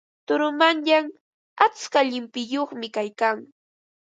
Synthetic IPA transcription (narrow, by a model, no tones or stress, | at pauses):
t̪ʊɾʊmanjaŋ | at͡skaʎɪmpɪjoχmɪkajkaŋ